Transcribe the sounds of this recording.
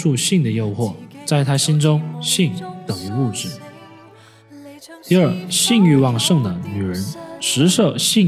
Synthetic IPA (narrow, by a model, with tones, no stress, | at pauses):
ʂu˥˧ɕi˥˩ŋd̪ə˩jo˥˧ʊxwɔ˥˩t͡sa˥˩ɪt̪ʰa˥ɕi˥nʈ͡ʂʊ˥ŋɕi˥˩ŋt̪ɤ˨˩ŋə˧u˥˩ʈ͡ʂɻ̩˨˩ | t̪i˥˧ə˞˥˩ɕi˥˧ŋy˥˧wɑ˥˧ŋʂɤ˥˩ŋd̪ə˩ny˨˩ɻə˧˥nʂɻ̩˧˥ʂɤ˥˩ɕi˥˩ŋ